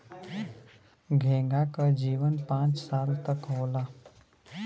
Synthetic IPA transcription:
ɡʱẽːŋɡakad͡ʒiːʋənpãːt͡ʃsaːlt̪ɐkɦoːlaː

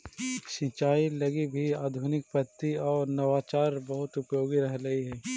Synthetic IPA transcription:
ʃĩt͡ʃaːilɐɡibʱiaːd̪ʱʊnɪk̚pɐt̪ːiɔːɾnɐʋaːt͡ʃaːɾbɐɦʊt̪ʊpjoːɡiɾɐɦlɐiɦɛː

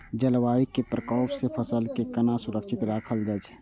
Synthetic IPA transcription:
d͡ʒəlwaːwikepɾəkɔːpsepʰəsəlkekənasʊɾəkʃʰɪt̪ɾaːkʰəld̪ət͡ʃ

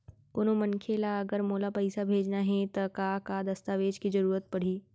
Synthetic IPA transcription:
ʊnõmɐnkʰeːlaɐɡəɾmoːlapɐɪsabʱeːd͡ʒnaɦɛ̃t̪ɐkakad̪ɐst̪aːʋeːd͡ʒkizɐɾuːɾət̪̚pɐɽ̤iː

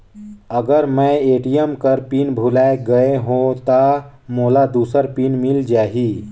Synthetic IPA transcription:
əɡəɾmɛ̃eːʈijəmkəɾpiːnbʱulaːeɡəeɦõt̪a | moːlad̪uːsəɾpinmɪld͡ʒaːɦiː

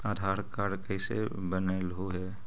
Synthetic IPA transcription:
aːd̪ʱaːɾkaɾkəɪsḛ | bənəlɦoɦɛː

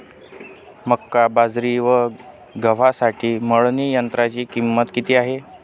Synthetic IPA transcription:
məkːabad͡zɾiʋə | ɡəʋ̤asaʈʰiːməɭniːjənt̪ɾat͡ɕiːkimːət̪kit̪iːaɦe

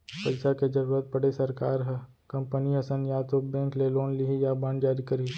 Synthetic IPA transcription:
pɐlsaked͡ʒɐɾuːɾət̪̚pɐɽesɐɾka̰ːɾɦɛ | kɐ̃mpəniɐsə̃njat̪obɛ̃ːŋkleloːnliijabãɳɖd͡ʒaːɾikɐɾi

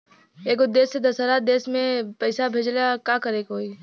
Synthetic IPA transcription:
eːkod̪eːsːed̪ɐsəɾad̪eːsmẽpəɪsabʱeːd͡ʒlakaːkəɾeːkoːi

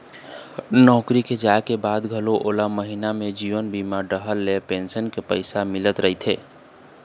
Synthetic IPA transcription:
nɔːkɾiked͡ʒaekebad̪ɡʱəloʔolaməɦinamed͡ʒiʋənbimaɾɖəɦəlːepensənkepəɪsamɪlət̪ɾəɦit̪ʰḛ

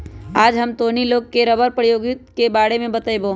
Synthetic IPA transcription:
aːd͡ʒɦəmt̪oːniloːɡ̚keɾɐbəɾpɾjoːɡɪt̪kebaːɽemẽbət̪əeboː

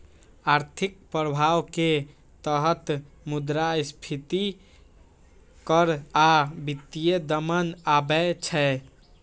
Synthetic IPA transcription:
aɾt̪ʰik̚pɾəbʱawke | t̪əɦət̪ | mud̪ɾaispʰit̪i | kəɾabit̪ːijed̪əmənabɛt͡ʃʰɛ

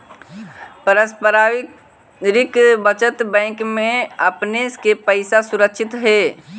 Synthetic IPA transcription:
pəɾəspəɾaː | ɾɪkbət͡ʃət̪bɛ̃ːkmẽəpneskepəɪsasʊɾəkʃɪt̪ɦɛː

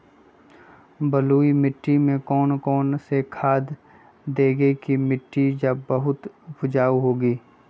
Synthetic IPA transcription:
bəluːimɪʈːimẽkɔːnkɔːnsekʰaːd̪ | d̪eːɡekimɪʈːid͡ʒəbbəɦʊt̪bʊd͡ʒaːuɦoːɡiː

